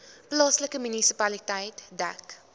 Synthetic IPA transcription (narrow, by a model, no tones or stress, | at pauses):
plɑːsləkəmynisipɐlitɐjtdæ̰k